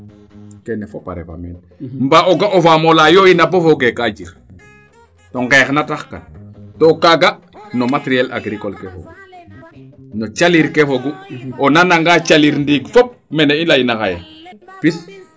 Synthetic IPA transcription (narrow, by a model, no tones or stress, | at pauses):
kenefopa̰ɾḛfa̰mɛ̰n | mbaoɡaʔofamolajoinabofoɡekaɟiɾ | toŋɡeːxnataxka̰ntokaɡa | nomateɾiɛla̰ɡɾikolkefo̰ɡu | not͡ʃaliɾkefoɡuonanaŋɡat͡ʃaliɾndiɡfɔp̚mɛneilajinaxajḛpis